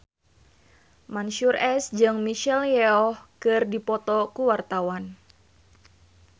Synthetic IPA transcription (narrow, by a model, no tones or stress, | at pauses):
manʃurɛsd͡ʒɨŋmiʃɛljɛɔhkɨrdipɔt̪ɔkuwart̪awan